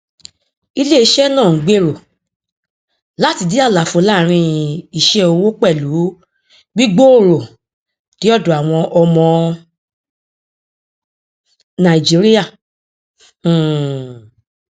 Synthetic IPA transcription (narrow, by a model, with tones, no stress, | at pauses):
i˧le˦i˧˦ʃɛ˦nãː˦˨˦ɡ͡be˦˨ɾo˨ | la˦ti˧di˦a˦˨la˨fo˧˦la˦˨ɾ̃ĩ˧i˨ʃɛ˧˦o˧wo˦k͡pɛ˦˨lu˨˦ | ɡ͡bi˦ɡ͡bo˦o˦˨ɾo˨ | ti˨˦ɔ˦˨dũ˨a˨w̃ɔ̃˧ʔɔ˧mɔ̃˧ | nã˨i˨d͡ʒi˨˦ɾi˦ja˦˨˦